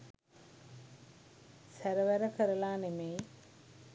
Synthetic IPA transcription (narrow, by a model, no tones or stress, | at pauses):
sæɾəʋæɾəkəɾəlaːnemej